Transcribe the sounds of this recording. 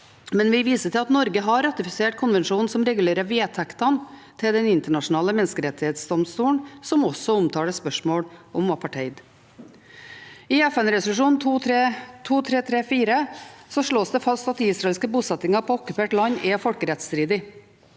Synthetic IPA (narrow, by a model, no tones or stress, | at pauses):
mɛnʋɪʋiːsətʰɪlɑt̪nɔɾɡəɦɑɾɑt̪ɪfɪseːʈ̚kʰʊnʋɛnʂuːnn̩sɔmɾɛɡʉleːɾəʋɪɛt̪ʰɛkt̪ɑnt̪ʰɪld̪ɛnɪnt̪əɳɑʂʊnɑːləmɛnskəɾɛt̪ːɪheːt̪sd̪ɔmst̪uːɳsɔmɔsɔʊmt̪ʰɑːɽəspœʂmoːɽʔɔmʋɑːpʰɑʈʰɛɪd̪ | ɪɛfɛnɾɛsʊlʉʂuːnt̪ʰuːɾet̪ʰuːt̪ʰɾeːt̪ʰɾeːfiːɾəsɔʂɭoːsd̪ɛfɑst̪ɑt̪̚ːɪɪsɾɑeɛlskəbuːsɛt̪ːɪŋɑpʰɔɔkːʉpeːʈlɑɲːʔɛfɔlkəɾɛt̪st̪ɾiːd̪ɪ